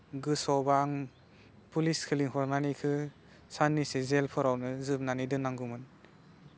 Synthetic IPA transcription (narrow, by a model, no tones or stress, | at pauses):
ɡɯsɔbaŋ | puliskʰɯliŋhɔɾnanikʰɯ | sanːisezelpʰɔɾawnɯzɯp̚nanidɯnaŋɡumɯn